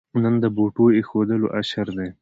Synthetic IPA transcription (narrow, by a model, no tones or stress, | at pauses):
nənd̪əboʈoexod̪əlo̰ʔaʃaɾd̪e